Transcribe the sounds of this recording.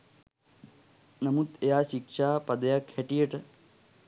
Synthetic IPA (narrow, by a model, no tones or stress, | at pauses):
nɐmut̪ejaːʃikʂaːpɐd̪ɐjakʰeʈijeʈ